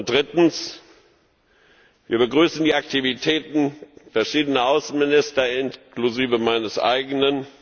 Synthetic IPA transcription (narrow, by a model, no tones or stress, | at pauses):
n̚d̥ʁɪtn̩s | vḭːɐbəɡʁyːsn̩diːaktivitʰɛːtn̩fɛɐʃiːdənɐʔaʊsn̩mɪnɪstɐɪnkluziːvəmaɪnəsʔa̰ɪɡənən